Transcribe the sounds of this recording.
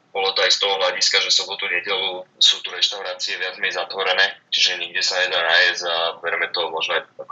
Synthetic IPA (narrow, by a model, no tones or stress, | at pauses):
bɔlɔt̪ɔajst̪ɔɦɔɦlaɟiskaʒɛsɔbɔt̪uɲɛɟɛlusuːt̪uɾɛʃt̪aʊɾaːt͡siɛʋɪad͡zmɛjzat̪ʋɔɾɛnɛːt͡ʃiʒɛɲiɡ̚ɟɛsaɲɛd̪anajɛzabɛɾɛmɛt̪ɔmɔʒnɔaak